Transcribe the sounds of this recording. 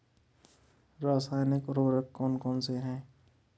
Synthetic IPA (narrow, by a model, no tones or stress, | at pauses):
ɾaːsaːjnɪkɾoːɾəkːɔːnkɔːnseɦɛ̃ː